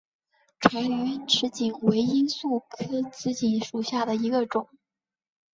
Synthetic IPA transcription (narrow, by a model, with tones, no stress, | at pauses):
ʈ͡ʂʰwa˧˥ɪy˧˥ʈ͡ʂʰɻ̩˧˥t͡ɕi˨˩ŋwe˧˥ɪi˥nsu˥˩kʰɤ˥t͡sɹ̩˥t͡ɕi˧˩nʂu˨˩ɕja˥˩d̪ə˩i˧˥ɡə˧ʈ͡ʂʊ˨˩˦ŋ